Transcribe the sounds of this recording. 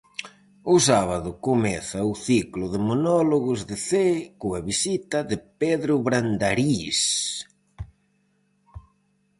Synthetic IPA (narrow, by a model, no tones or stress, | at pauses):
ʊs̬aβaðʊkomɛθɐʊθiklʊðɪmonɔloɣʊzðɪθekoaβisit̪ɐðɪpeðɾʊβɾand̪aɾis